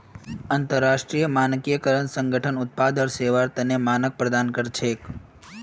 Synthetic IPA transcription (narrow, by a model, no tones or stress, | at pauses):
ənt̪əɾːaʃʈɾijəmankijəkəɾəɳsəŋɡʱəʈʰənʊt̪̚pad̪əɾseʋaɾt̪ənemanək̚pɾəd̪ankəɾt͡ʃʰek